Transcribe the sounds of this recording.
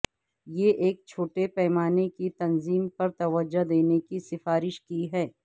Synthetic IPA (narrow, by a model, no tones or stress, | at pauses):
jeʔeːk̚t͡ʃʰoːʈepɛːmaːnekit̪ɐnziːmpɐɾt̪ɐʋəd͡ʒad̪eːnekisɪfaːɾɪʃkiɦɛː